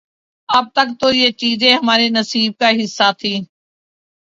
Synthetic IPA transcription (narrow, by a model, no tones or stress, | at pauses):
əp̚t̪ək̚t̪oːieːt͡ʃiːzẽːɦəmaːɾeːnəsiːb̚kaːɦɪsːaːt̪ʰiː